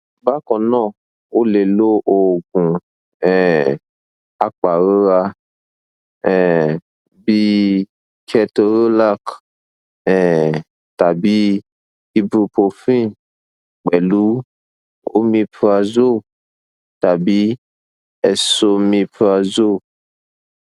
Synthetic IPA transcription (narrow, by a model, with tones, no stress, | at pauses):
ba˦kɔ˨nɔ̃˦˨ | o˦le˨lo˦ʔo˨ɡũ˨ | ɛ˨ | a˨k͡pa˨ɣo˦ɣa˧ | ɛ˨ | bi˦ | kʰɛ˦to˨ɾo˦la˦k | ɛ˨ | t̪a˨bi˦ | i˦bu˨po˨fĩ˦ | k͡pɛ˨lu˦ | o̰˦mĩ˧pa˨zo˦ | t̪a˨bi˦ | ɛ˨so˦mĩ˧pa˨zo˦